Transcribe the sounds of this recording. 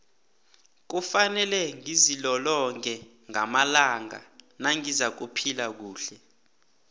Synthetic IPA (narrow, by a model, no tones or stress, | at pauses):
k̬ufanɛlɛŋizilɔlɔŋɛ | ŋamalaŋa̰naŋizak̬upʰilak̬uːɬɛ